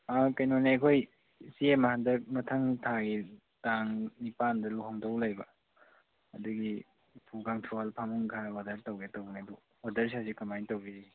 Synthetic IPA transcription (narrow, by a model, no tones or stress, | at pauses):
akɐjnoneɐkʰoj | siemahandɐmɐtʰɐŋtʰaɡi | taŋnipandɐluɦɔŋdowlajbɐ | ɐduɡi | pʰuɡaŋtʰualpʰamuŋɡʱawadɐɾtawɡetowɡnedu | wadɐɾs̬iasikamajntawbizi